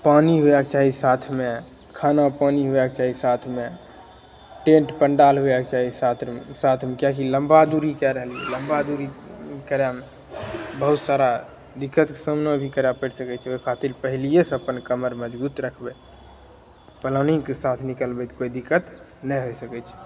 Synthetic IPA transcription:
paniɦuɛkt͡ʃaɦisat̪ʰme | kʰanapaniɦuɛk̚t͡ʃaɦisat̪ʰme | ʈẽɳʈpəɳɖalɦuɛk̚t͡ʃaɦisat̪ʰsat̪ʰmekjak̬iləmbad̪uɾikɛɾəɦəlijɛ̰ləmbad̪uɾikəɾjame | bəɦut̪saɾa | d̪ikːət̪ke̥səmnəbʱikəɾjapəʈsəkɛt͡ʃʰokʰat̪ilpəɦilijesəpənkəməɾməd͡ʒbut̪ɾəkʰbɛ | pələnĩŋkesat̪ʰnikəlbɛt̪koid̪ikːət̪ | nəɦojsəkɛt͡ʃʰɛ̥

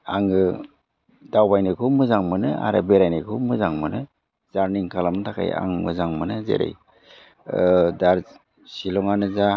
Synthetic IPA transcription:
aŋɯ | dawbajnɯkʰumɯzaŋmɯnɯa̰ɾabeɾajnikʰumɯzaŋmɯnɯ | z̥aɾniŋkʰalamtʰakʰa̰ja̰ŋmɯzaŋmɯnɯzḛɾḛj | daɾ | silɔŋanɯza

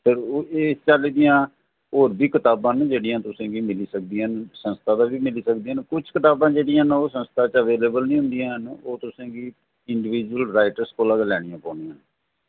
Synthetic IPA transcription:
pʰɪɾeːst͡ʃaːliːd̪ijãː | oːɾbiːkɪt̪aːbãːnd͡ʒeːɽɪjãːt̪ʊsẽːɡiːmɪliːsək̚d̪iɦənsə̃nst̪ʰaːd̪aːʋiːmɪliːsəkd̪iːənkʊt͡ʃʰkɪt̪aːbãːd͡ʒeːɽɪjãːnoːsə̃nst̪ʰaːt͡ʃəʋeːleːbəlnĩːɦʊ̃nd̪ɪjãːɦənoːt̪ʊsẽːɡiː | ɪɳɖɪʋiːd͡ʒuəlɾaːɪʈəɾskoːlaːd̪lɛːɽɪjãːpɔːnijãːn

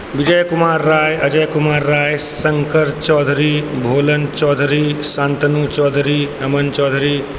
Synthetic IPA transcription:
ʋid͡ʒəjkumaːɾːaːjɐd͡ʒɐjkumaːɾːaːjsɐŋkəɾt͡ʃɔːd̪ʱɾiːbʱoːlɐnt͡ʃɔːd̪ʱɾiːsãːnt̪ɐnuːt͡ʃɔːd̪ʱɾiː | ɐmɐnt͡ʃɔːd̪ʱɾiː

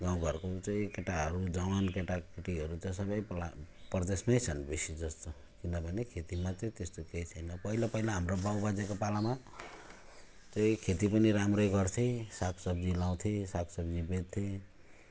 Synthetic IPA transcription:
ɡaw̃ɡʱʌrkot͡sʌĩkeʈaɦʌɾud͡zawankeʈakʰiʈiɦʌɾut͡sʌĩsʌbʌjplaprd̪esmajt͡sʰʌnbesid͡zʌst̪o | kinʌbʱʌnekʰet̪imat͡sʌĩt̪est̪oket͡sʰʌjnʌpʌɦilapʌɦilaɦamrobawbad͡zekopalama | t͡sʌĩkʰet̪̬ipʌniɾamrʌjɡʌrt̪ʰisakʰsʌbd͡zilaw̃t̪ʰesakʰsʌbd͡zibet̪̚t̪ʰːe

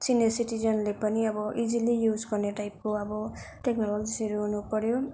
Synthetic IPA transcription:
sinesiʈid͡zʌnlepʌniʌbʌʔid͡zilijud͡zɡʌrneʈajp̚koʌbʌʈeknʌlʌɡiseɾuɦunupʌɾjo

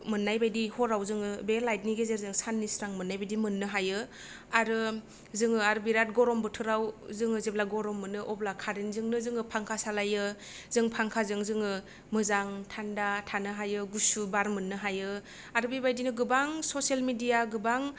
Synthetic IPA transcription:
mɯnːajbajdihɔɾawzɯŋɯbelajt̚niɡezeɾzɯŋsanːisɾaŋmɯnːajbajdimɯnːɯɦajɯ | aɾɯ | zɯŋɯaɾɯbiɾat̚ɡɔɾɔmbɯtʰɯɾawzɯŋɯzeblaɡɔɾɔmːɯnɯʔɔblakʰaɾinzɯŋnɯzɯŋɯpʰaŋkʰasalajɯ | zɯŋpʰaŋkʰazɯŋzɯŋɯ | mɯzaŋtʰandatʰanɯɦajɯɡusubaɾmɯnːɯɦajɯ | aɾɯbibajdinɯɡɯbaŋsoselmidijaɡɯbaŋ

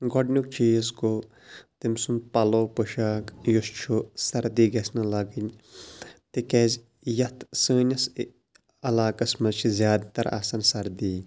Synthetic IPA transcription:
ɡɔɖnʲuk̚t͡ʃʰiːzkoː | t̪imsun̚pɐloːpɨʃaːkjust͡ʃʰusɐɾd̪iːɡɐsnɨlɐɡinʲ | t̪ikeːzʲ | jɐt̪ʰsɨːnʲɐs | ɐlaːkɐsmɐzt͡ʃʰizjaːd̪t̪ɐɾʔa̰ːsɐnsɐɾd̪iː

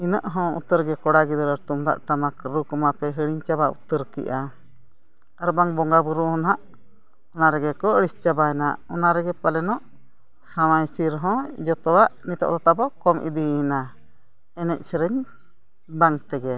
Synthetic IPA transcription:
inəʔɦɔ̃ṵt̪əɾɡɛkɔɽaɡid̪ɔɾəɾt̪umd̪a̰ʔʈamakɾukɔmapɛɦəɽiɲt͡ʃabaṵt̪əɾkḭʔa | əɾbaŋbɔŋɡabuɾuhɔnɦaʔ | ɔnaɾɛɡɛkɔəɽist͡ʃabaɛnaʔɔnaɾɛɡɛpalɛnɔʔ | sawajsiɾɦɔ̃d͡ʒɔt̪ɔwaʔnit̪ɔ̰ʔd̪at̪abɔkɔmʔḭd̪iina | ɛnɛc̚ˀsɛɾəɲ | baŋt̪ɛɡɛ

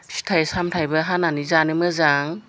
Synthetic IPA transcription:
si̥tʰajsamtʰajbɐɦananizanɯmɯzaŋ

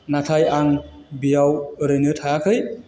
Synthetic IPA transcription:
natʰajaŋbijawɾɯŋɯtʰakʰɯj

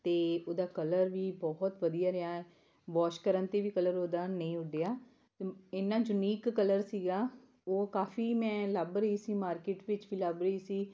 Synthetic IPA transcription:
t̪eːoːd̪aːkələɾʋiːbɔɦt̪ʋəd̪ijaːɾɪaːɛː | ʋɔːʃkəɾənt̪eːʋiːkələɾoːd̪aːnəĩːʊɖejaː | ɪnːaːd͡ʒʊniːkːələɾsiːɡaː | oːkaːfiːmɛ̃ːləbɾəiːsiːmaːɾkeːʈʋɪt͡ʃʋiːləbɾəiːsiː

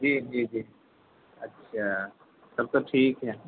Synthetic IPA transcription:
d͡ʒiːd͡ʒiːd͡ʒiː | ɐtːʃʰaː | sɐb̚t̪oʈʰiːkɦɛː

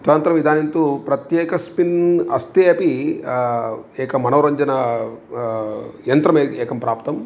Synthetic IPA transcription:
t̪ɐnt̪ɾɐmʋid̪ʱaːnint̪upɾɐt̪jɛːkɐspinɐst̪ieːpi | ɛːkɐmɐnɐwɾɐɲd͡ʒɐnɐ | jɐnt̪ɾɐmeːt̪ɛːkɐmpɾaːpt̪ɐm

